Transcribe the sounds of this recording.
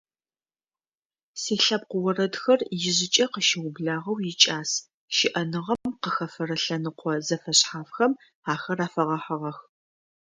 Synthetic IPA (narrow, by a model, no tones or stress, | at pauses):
siːɬɐb̚qʷʊwɔrɐdxɐrjɪʑɪt͡ʃʼɐqəʃɪwʊbɮaːʁɐwjɪt͡ʃʼaːs | ʃɪʔɐnɨʁɐmqəxɐfɐɾɐɬɐnɨqʷɔzɐfɐɕħaːfxɐm | aːxɐraːfɐʁɐħɐʁɐx